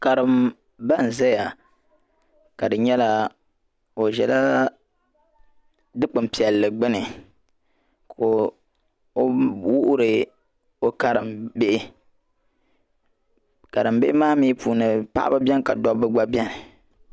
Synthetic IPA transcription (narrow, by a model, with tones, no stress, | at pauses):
ka˨ɾɨ˨m | ba˦˨n̩˨za˦ja˨ | ka˨dɨ˨ɲɛ˦la˦ | o˨ʒɛ˨la˦ | dɨ˦k͡pɨ˨m˨pi˨ɛ˨lːɨ˨ɡ͡bɨ˦nɨ˨ | kʰo˨ | o˦wu˦ʔʊ˦ɾɨ˨ | o˦ka˨ɾɨ˨mbe˦ʔɪ˦ | ka˨ɾɨ˨mbe˦ʔɪ˦maː˦miː˦puː˨nɨ˨pa̰˦ʔa̰˦ba˦bʲɛ˦nka̰˨dɔ˦bɨ˦ɡ͡ba˦bɛ˦nɨ˨